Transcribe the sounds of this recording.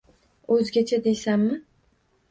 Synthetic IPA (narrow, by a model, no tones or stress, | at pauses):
ɵzɡʲat͡ʃʰad̪ejsamːɪ